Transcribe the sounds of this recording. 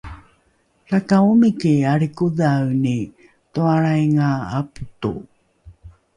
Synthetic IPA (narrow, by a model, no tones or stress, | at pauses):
ɾakaumikiaɾikuðawni | t̪oaɾajŋaa̰pu̥t̪ṵ